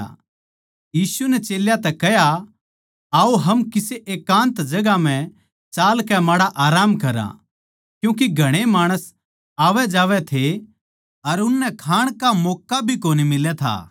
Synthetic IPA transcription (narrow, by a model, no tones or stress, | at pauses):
jiːsunɛt͡ʃeːljat̪ɛkɛɦja | aːoɦɐmkɪseʔeːkãːnt̪d͡ʒɐɡam̤ɛ̃ | t͡ʃaːlkɛmaːɽaʔaːɾaːmkɐɾã̰ | kjũːk̬iɡʱɐɽ̃emaːɽ̃əs | aːʋɛd͡ʒaːʋɛt̪ʰe | ɐɾʊnːɛkʰaːɽ̃kamɔːkːabʱikoːnimɪlɛt̪ʰa̰ː